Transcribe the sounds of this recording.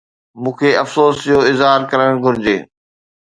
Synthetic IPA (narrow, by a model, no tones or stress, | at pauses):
mũːkʰeɐfsoːsd͡ʑoɪzɦaːɾkɐɾəɽ̃ɡʱʊɾɪd͡ʑeː